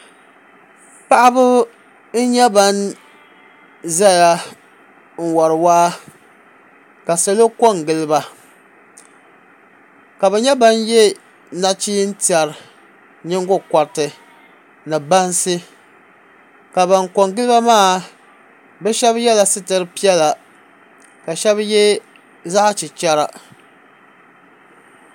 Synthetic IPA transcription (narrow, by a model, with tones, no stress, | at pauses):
pa˦ʔa˦bʊ˦ | n̩˦ɲɛ˦ba˦n | za˦ja˨ | ŋ̩˨wɔ˨ɾɨ˨waː˦ | ka˨sɛ˦lo˦ko˦˨ŋɡɪ˦lɨ˦ba˦ | ka˨bɛ˨ɲɛ˦ba˦njɛ˦ | na˦˨t͡ʃiː˦n̩˦ti˨a˨ɾ | ɲɪ˦ŋɡʊ˦ka˨ɾtɨ˨ | nɨ˨ba˦nsɨ˦ | ka˨ba˨ŋko˨ŋɡɨ˦lɨ˦ba˦maː˦˨ | bɛ˦ʃɛ˦bjɛ˦la˨sɨ˦tɨ˨ɾɨ˦pi˦jɛ˦la˨ | ka˨ʃɛ˦bjɛ˦ | za˦ʔt͡ʃi˨t͡ʃɛ˦ɾa˨